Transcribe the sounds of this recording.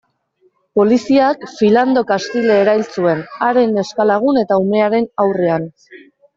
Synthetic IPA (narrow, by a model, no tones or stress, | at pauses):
po̞lisiakfiland̪o̞kast̪ile̞ːɾajlt͡sue̞naɾe̞ne̞skalaɣ̞une̞t̪aume̞aɾe̞nawre̞an